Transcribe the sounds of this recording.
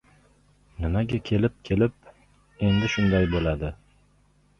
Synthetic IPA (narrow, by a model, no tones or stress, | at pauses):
nɪmaɡʲakʲʰe̞lɪp̚kʲʰe̞lɪp̚ | e̞nd̪ɪʃʊnd̪ajbolad̪ɪ